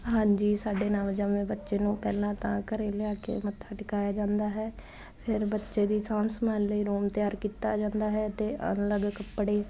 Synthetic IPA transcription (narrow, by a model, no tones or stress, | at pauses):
ɦãːɲd͡ʒiːsaːɖeːnãːmd͡ʒaːmẽːbətːʃeːnũːpɛːlãːt̪ãːkəɾeːleaːkḛːmət̪əʈkaːjaːd͡ʒãːnd̪aːɦɛː | pʰɪɾbətːʃeːd̪iːsãːmsəmãːnləiːɾoːmt̪ɪjaːɾkiːt̪a̰ːd͡ʒãːnd̪aːɦɛːt̪eːʔə̰nləɡkəpːɽeː